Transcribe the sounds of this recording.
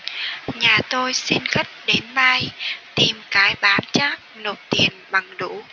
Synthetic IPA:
ɲaː˨˩t̪o˧jsi˧nxə˦˥t̚ɗe˨˦nma˧jt̪i˨˩mkaː˨˦jɓaː˨˦nt͡ɕaː˦˥k̚no˨˩p̚t̪i˨˩ənɓa˨˩ŋɗu˧˥

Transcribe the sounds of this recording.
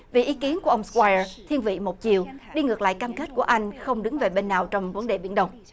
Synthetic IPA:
vḭ˨˩ʔi˨˦ki˨˦ənku˧˩əʔə˧wŋ͡mskwaː˧jə˧t̪ʰi˧ənvḭ˧˨mo˨˩t̚t͡ɕi˨˩əwɗi˧ŋɨ˨˩ək̚la̰ː˧˨jkaː˧mke˦˥t̚ku˧˩əʔa˧jŋ̟xə˧wŋ͡mɗɨ˨˦ŋve˨˩ɓe˧nːaː˨˩wt͡ɕɔ˧wŋ͡mvə˨˦nɗe˨˩ɓi˧˩ənɗə˧wŋ͡m

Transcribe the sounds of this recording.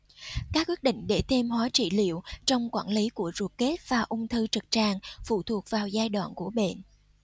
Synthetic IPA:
kaː˦˥k̚wi˦˥t̚ɗḭ̈˧˨ŋ̟ɗe˧˩t̪ʰe˧mhwaː˨˦t͡ɕḭ˧˩lḭ˧˨əwt͡ɕɔ˧wŋ͡mkwaː˧˩nli˨˦ku˧˩əzu˨˩ət̚ke˦˥t̚vaː˨˩ʔʊ˧ŋ͡mt̪ʰɨ˧t͡ɕə˨˩t̚t͡ɕaː˧˩ŋfṵ˧˨t̪ʰu˨˩ək̚vaː˨˩wzaː˧jɗwa̰ː˧˨nku˧˩əɓḛ˧˨n

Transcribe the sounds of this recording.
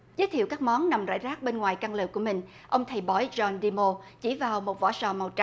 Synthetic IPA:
zə˦˥t̪ʰḭ˧˨wkaː˦˥k̚mɔ˨˦nna˨˩mza̰ː˧˥˨jzaː˦˥k̚ɓe˧nŋwaː˨˩jka˧ŋlɨ˨˩kːu˧˩əmï˨˩ŋ̟ | ʔə˧wŋ͡mt̪ʰa˨˩jɓɔ˨˦jzɔ˧nɗi˧mo˧t͡ɕi˧˩vaː˨˩wmo˨˩t̚vɔ̰˧˩sɔ˨˩ma˨˩wt͡ɕa˧˩

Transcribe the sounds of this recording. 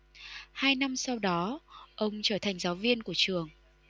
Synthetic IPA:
haː˧jna˧msa˧wɗɔ˨˦ʔə˧wŋ͡mt͡ɕəː˧˩t̪ʰa˨˩jŋ̟zaː˨˦wvi˧ənku˧˩ət͡ɕɨ˨˩əŋ

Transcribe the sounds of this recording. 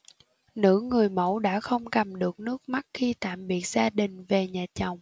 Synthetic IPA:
nɨ̰˧˥ŋɨ˨˩əjmə̰˧˥wɗa̰ː˧˥xə˧wŋ͡mkə˨˩mɗɨ˨˩ək̚nɨ˦˥ək̚ma˦˥t̚xi˧t̪a̰ː˧˨mɓi˨˩ək̚z̥aː˧ɗï˨˩ŋ̟ve˨˩ɲaː˨˩t͡ɕə˨˩wŋ͡m

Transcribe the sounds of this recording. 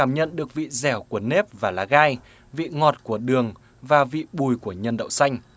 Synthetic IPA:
aː˧˩mɲə̰˧˨nɗɨ˨˩ək̚vḭ˧˨zɛ˧˩wku˧˩əne˦˥p̚vaː˨˩laː˨˦ɣaː˧j | vḭ˧˨ŋɔ˨˩t̚ku˧˩əɗɨ˨˩əŋ | vaː˨˩vḭ˧˨ɓu˨˩jku˧˩əɲə˧nɗə̰˧˨wŋ͡msa˧jŋ̟

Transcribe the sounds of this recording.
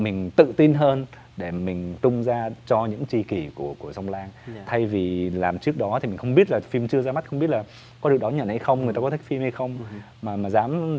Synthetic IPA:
mï˨˩ŋ̟t̪ɨ̰˧˨t̪i˧nɦəː˧n | ɗe˧˩mï˨˩ŋ̟t̪ʊ˧ŋ͡mzaː˧t͡ɕɔ˧ɲɨ̰˧˥ŋt͡ɕi˧ki˧˩ku˧˩əku˧˩əsa˧wŋ͡mlaː˧ŋt̪ʰa˧jvi˨˩laː˨˩mt͡ɕɨ˦˥ək̚ɗɔ˨˦t̪ʰi˨˩mi̟˨˩xə˧wŋ͡mɓi˦˥ət̚laː˨˩fi˧mt͡ɕɨ˧əzaː˧ma˦˥t̚xə˧ŋ͡mi˦˥ətlː | kɔ˨˦ɗɨ˨˩ək̚ɗɔ˨˦ɲə̰˧˨nha˧jxə˧wŋ͡mŋɨ˨˩jt̪aː˧k̪ʰa˦˥k̚fi˧mha˧jxə˧wŋ͡m | maː˨˩maː˨˩zaː˨˦m

